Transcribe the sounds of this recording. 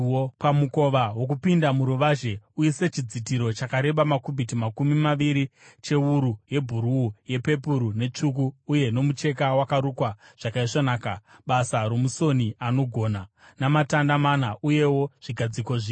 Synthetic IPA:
opamuko̞ʋawo̞k̬upindamuɾuʋaʒe̞ujise̞t͡ʃid͡zitiɾo̞t͡ʃakaɾe̞ɓamakubʱitimakumimaʋiɾit͡ʃe̞uɾuje̞bʱuɾuːje̞pe̞puɾune̞t͡ʂuk̬uːje̞no̞mut͡ʃe̞kawakaɾukwaʐ̥akaiʂonaːkaɓasaɾo̞muso̞niano̞ɡʱo̞ːnanamatandamanaʔuje̞wo̞ʐ̥iɡʱad͡zikoʐiː

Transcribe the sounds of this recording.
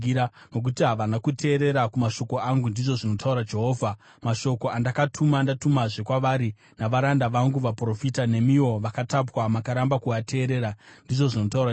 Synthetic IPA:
iɾano̞k̬utiɦaʋanakutʰe̞ːɾe̞ɾakumaʃo̞ko̞aŋɡundiʐo̞ʐino̞tauɾad͡ʒe̞ɦo̞ːvʱa | maʃo̞ko̞andakatʰumandatumaʐe̞kwaʋaɾi | naʋaɾandaʋaŋɡuʋapro̞fitane̞mio̞ʋakatapwamakaɾambakuʋate̞ːɾeːɾandiʐo̞ʐino̞taua

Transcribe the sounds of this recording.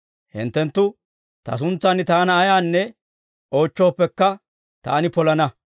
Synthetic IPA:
hɪ̰nt̪ːɛnt̪ːʊ | t̪ɐ̰s̬ʊnt͡sːɐnɪt̪aːnɐːjaːnːɛ | o̞ːt͡ʃːoːpːɛkːɐ | t̪aːnɪpɔlɐnɐ

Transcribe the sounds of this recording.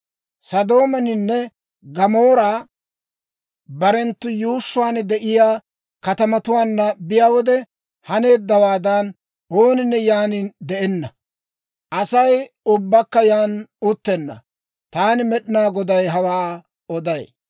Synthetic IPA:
sɐd̪o̞ːmɐnɪnːɛ | ɡɐmoːɾaː | bɐɾɛnt̪ːʊjuːʃːʊwaːnd̪ɛʔɪjaː | kɐt̪ɐmɐt̪ʊwaːnːɐbɪjaːwɔd̪ɛ | hɐne̞ːd̪ːɐwaːd̪ɐn | o̞ːnɪnːɛjaːnɪd̪ɛʔɛnːɐ | ʔɐsɐj | ʊbːɐkːɐjaːnʊt̪ːɛnːɐ̰ | t̪aːnɪmɛɗɪnaːɡɔd̪ɐjɦɐwaː | ɔd̪ɐj

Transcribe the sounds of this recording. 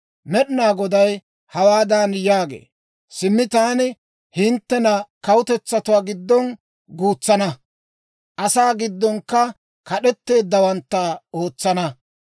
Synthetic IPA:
mɛɗɪnaːɡɔd̪ɐj | hɐwaːd̪ɐnjaːɡḛː | sɪmːɪt̪aːnɪ | hɪnt̪ːɛnɐkɐwʊt̪ɛt͡sːɐt̪ʊwaːɡɪd̪ːɔn | ɡuːt͡sːɐnɐ | ʔɐsaːɡɪd̪ːɔŋkːɐ | kɐɗɛt̪ːe̞ːd̪ːɐwɐnt̪ːɐo̞ːt͡sːɐnɐ

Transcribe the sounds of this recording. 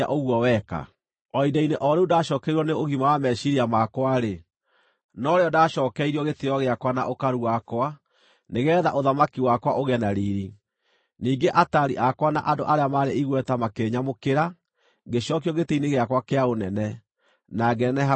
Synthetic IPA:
a̰ʔoɣwɔwɛka̰ | ɔidaineʔɔɾeudaɕɔːkɛiɾwɔneoɣimawamɛʃiɾiamakwaɾe | nɔɾeɔdaʃɔːkɛiɾiɔɣeteɔɣeakwana̰ʔokaɾuakwa | neɣɛːða̰ʔoðamakiwakwaʔoɣɛnaɾiɾi | niːŋɡeʔataɾiʔakwana̰ʔadoʔaɾeamaɾeʔiɣwɛtamakeɲamokeɾa | ɡeɕɔk̬iɔɣeteineɣeakwakeaonɛnɛ | naɡɛnɛɦa

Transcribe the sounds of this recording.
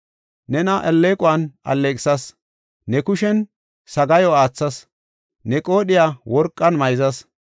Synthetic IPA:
nɛnɐʔɛlːeːkʼʊwɐnʔɐ̰lːekʼɪsɐs | nɛkʊʃɛn | sɐɡɐjɔaːt͡sːɐs | nɛkʼo̞ːɗɪjaːwɔɾkʼːɐnmɐjzɐs

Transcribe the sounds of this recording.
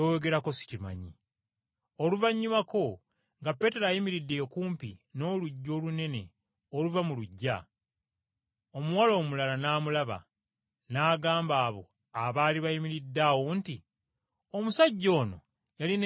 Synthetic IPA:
oweɡe̞ɾakosi̥cima̰ɲḭ | oluvaɲːumako̞ | ŋɡapːe̞ːte̞ɾaːjimiɾidːe̞ːkuːmpino̞ːluɟːo̞ːlune̞ne̞̰ | oluvamuluɟːa̰ | omuwalo̞ːmulalanaːmulaβa̰ | naːɡaːmbaːβo̞ | aβaːliβajimiɾidːawonti | omusaɟːo̞ːno̞̰ | jalin

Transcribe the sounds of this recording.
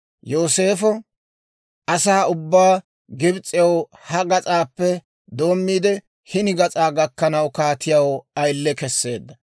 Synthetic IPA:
jo̞ːse̞ːfɔ | ʔɐsaːʊbːaː | ɡɪbt͡sʼɪjɐw | hɐɡɐt͡sʼaːpːɛ | d̪o̞ːmːiːd̪ɛ | hɪnɪɡɐt͡sʼaːɡɐkːɐnɐwkaːt̪ɪjɐwɐjlːɛkɛsːe̞ːd̪ːɐ

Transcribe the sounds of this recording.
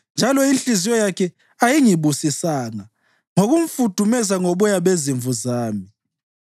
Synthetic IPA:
nd͡ʒʱalɔint͡ɬʼizijɔjakʰɛ | ajiŋiβusisana | ŋoɣuɱ̩fud̥ʱumɛzaŋoβujaβeziɱvuzaːmi

